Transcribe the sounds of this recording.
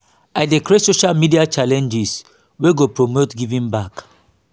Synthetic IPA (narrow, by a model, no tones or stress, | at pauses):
aɪdekɾesoʃalmidiat͡ʃalɛ̃nd͡ʒis | weɡopɹomotɡivĩmbak